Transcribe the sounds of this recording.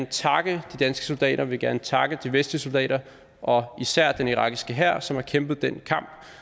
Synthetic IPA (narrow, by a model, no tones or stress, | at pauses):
nət͡sʰɑ̈ɡ̥əd̥id̥ænsɡ̥ə̥so̝ld̥ɛ̰ːɾɐʋe̝ɡ̥æɐnət͡sʰɑ̈ɡ̥əd̥iʋesd̥liəso̝ld̥ɛ̰ːɾɐ | ʔɒ̽isæɐ̰d̥eniʁɑ̈ɡ̥isɡ̥əɦæɐ̰sɒ̽mhɑ̈kʰemb̥ð̞̩ˠd̥en̰kʰɑ̈m̰b̥